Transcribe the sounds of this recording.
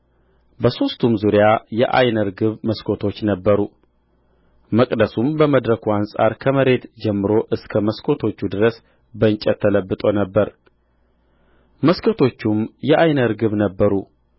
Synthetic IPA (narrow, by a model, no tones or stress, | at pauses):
bəso̞st̪ʰumzuɾjajɛʔa̰jnəɾɡɨβməskʰo̞t̪ʰo̞t͡ʃːnəbːəɾu | məkʼd̪əsumbəməd̪ɾəkʰuansʼa̰ɾkʰəməɾe̞t̪d͡ʒɛmːɨɾo̞ʔɨskʰəməskʰo̞t̪ʰo̞t͡ʃːud̪ɨɾəs | bənt͡ʃʼːət̪ʰːələbːɨt̪ʼo̞nəbːəɾ | məskʰo̞t̪ʰo̞t͡ʃːumjɛʔajnəɾɡɨβnəbːəɾu